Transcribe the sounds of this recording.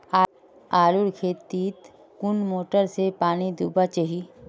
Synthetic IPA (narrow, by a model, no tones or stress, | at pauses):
aː | aːlʊɽkʰeːt̪iːt̪ | kʊnmoːʈəɾsepaːnid̪uːbat͡ʃəɦi